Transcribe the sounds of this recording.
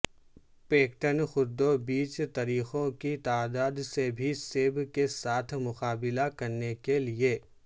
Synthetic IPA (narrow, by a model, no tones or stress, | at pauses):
peːkʈənxʊɾd̪obiːt͡ʃt̪ɐɾiːxõkit̪aːd̪aːd̪sebʱiseːbkesaːt̪ʰmʊqaːbɪlakɐɾnekelieː